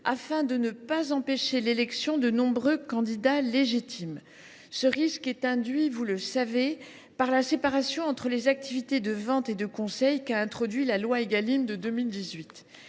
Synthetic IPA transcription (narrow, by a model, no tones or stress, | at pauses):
afɛ̃d̪ənəpazɑ̃peʃelelɛksjɔ̃d̪ənɔ̃bʁøkɑ̃d̪id̪aleʒit̪ʰim | səʁiskɛt̪ɛ̃d̪ɥivuləsave | paʁlasepaʁasjɔ̃ɑ̃t̪χəlezak̚t̪ivit̪ed̪əvɑ̃t̪ed̪əkɔ̃sɛjkaɛ̃t̪χɔd̪ɥilalwaeɡalimd̪əd̪əmild̪izɥit̪